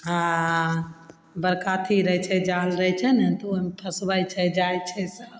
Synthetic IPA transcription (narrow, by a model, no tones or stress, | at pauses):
a | bəɾkat̪ʰiɾəɦt͡ʃʰɛd͡ʒalɾəɦt͡ʃʰɛnɛt̪ɔomepʰəsbəjt͡ʃʰɛd͡ʒajt͡ʃʰɛsəb